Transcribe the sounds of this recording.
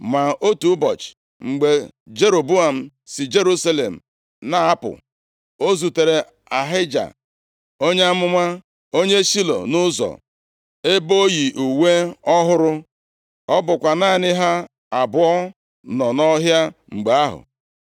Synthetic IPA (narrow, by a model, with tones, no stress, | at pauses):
ma˨o˦tu˨˦bɔ˨t͡ʃ | ŋ͡m̩˨ɡ͡be˨ | d͡ʒe˦ɾo˨bu˦a˨m̩˦˨ | si˨d͡ʒe˦ɾu˦sa˦lḛ˨m̩˨ | na˨a˦pʊ̰˨ | o˦zu˨te˨ɾe˨ | a˨ɦɪ˦d͡ʒa̰˨ | o˦ɲe˦a˦mʊ˦ma˦ | o˦ɲe˦ʃi˦lo̰˨nʊ˦zɔ̰˨ | e˦bo˦ji˨ʔu˨we˦ɔ˦ɦʊ˦ɾʊ˦ | ɔ˦bʊ˨kʷa˨na˦˨nɪ˦ɦa˦ | a˨bʊ˨ɔ˦ | nɔ˨nɔ˦ɦja˦ŋ͡m̩˨ɡ͡be˨a˦ɦʊ̰˨